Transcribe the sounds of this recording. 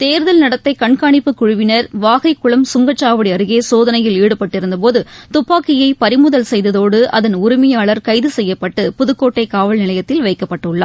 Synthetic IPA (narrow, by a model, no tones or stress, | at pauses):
t̪eːɾðɐlnɐɽɐt̪ːɐɪkɐɳkaːɳɪpːɯkʊɻʊʋɪnɐɾʋaːɣɐɪkːʊɭɐmsʊŋɡɐt͡ʃːaːʋɐɽiɐɾɯɣeːsoːðɐnɐjɪliːɽɯpːɐʈːɪɾɯnd̪ɐp̬oːðɯt̪ʊpːaːkɪjɐɪpɐɾɪmʊðɐlsɛjðɐðoːɽɯʔɐ̰ðɐnʊɾɪmɐjaːɭɐɾkɐɪðɯsɛjːɐpːɐʈːɯpʊðɯkːoːʈːɐɪkaːʋɐlnɪlɐjɐt̪ːɪlʋɐɪkːɐpːɐʈːɯɭːa̰ː